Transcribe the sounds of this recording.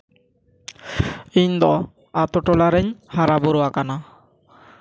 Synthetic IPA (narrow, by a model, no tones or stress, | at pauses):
iɲd̪ɔ | at̪ɔʈɔlaɾɛɲhaɾabɔɾɔwakana